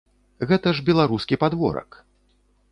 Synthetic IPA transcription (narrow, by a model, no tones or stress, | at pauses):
ɣɛt̪ɐʐbʲɛlˠaɾuskʲipad̪vɔ̰ɾɐ̰k